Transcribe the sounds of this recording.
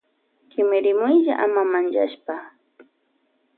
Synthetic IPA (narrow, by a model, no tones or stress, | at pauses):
kɪmɪɾɪmʊjʎa̰ʔamamanʒa̰ʃpa